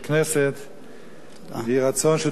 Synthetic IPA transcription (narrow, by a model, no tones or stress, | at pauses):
knɛsət | ɪʁat͡sɔnʃɪ